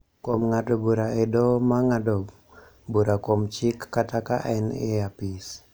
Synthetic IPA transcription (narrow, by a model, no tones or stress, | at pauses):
komŋadobuɾaedɔmaŋadob | buɾakɔmt͡ʃɪkːataka̰ʔɛneapis